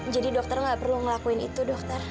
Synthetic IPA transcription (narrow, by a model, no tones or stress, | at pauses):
d͡ʒadidɔk̚t̪ərŋɡaʔpərluŋəlakuɪnḭt̪udɔk̚t̪ər